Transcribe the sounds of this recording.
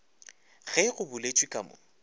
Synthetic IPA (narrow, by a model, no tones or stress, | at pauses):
ɣɛɣʊbʊlet͡ʃʼwikʼamʊ̰